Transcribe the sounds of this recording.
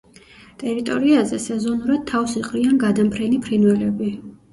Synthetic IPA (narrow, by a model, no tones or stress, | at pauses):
t̪ʼɛɾit̪ʼɔɾiazɛsɛzɔnuɾad̪̥̚t̪ʰːafsiqʼɾianɡad̪ampʰɾɛnipʰɾinwɛlɛbi